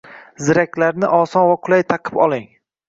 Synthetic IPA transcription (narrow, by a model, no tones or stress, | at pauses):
zɪɾakʲlaɾnɪʔɒsɒnvaqʰʊlˠajt̪ʰɑqʰɨ̥pɒlˠɪŋ